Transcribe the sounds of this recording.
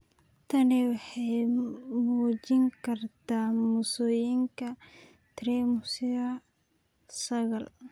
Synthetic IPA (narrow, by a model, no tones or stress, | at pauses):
t̪ʰɐniwɑħɑjmuːt͡ʃɪŋkʰɐrt̪ʰaːmusɔːjɪŋkʰɐ | t̪ʰɾɛːmʊsɪðɐ | sɐɣɐl